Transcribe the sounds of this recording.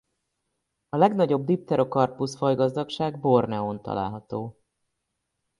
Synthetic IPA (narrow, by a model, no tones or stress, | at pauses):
ɒlɛɡnɒɟo̞bd̪ip̚t̪ɛɾo̞kɒrpusfɒjɡɒzd̪ɒkʃaːɡbo̞rnɛont̪ɒ̰la̰ːlɦɒt̪oː